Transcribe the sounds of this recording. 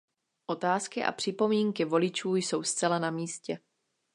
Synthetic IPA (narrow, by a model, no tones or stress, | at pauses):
ʔo̞t̪aːskɪʔa̰pr̥ɪpo̞miːŋkɪvo̞lɪt͡ʃuːjso̞wst͡sɛlanamiːscɛ